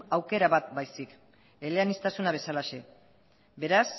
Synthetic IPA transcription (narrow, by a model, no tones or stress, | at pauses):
awke̞ɾaβat̪̚bajsik | eleanist̪asunaβ̞e̞salaʃe̞ | be̞ɾas